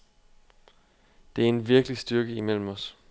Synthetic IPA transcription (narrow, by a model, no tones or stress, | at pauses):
d̥e̝æɐe̝nʋiɐɡ̥əlisd̥yɐɡ̥əimel̰m̩ɒ̽s